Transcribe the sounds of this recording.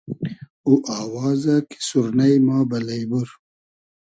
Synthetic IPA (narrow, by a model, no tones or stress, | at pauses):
uʔaːwɑːzaki̥suɾnajmɑːbɐlɐjbuɾ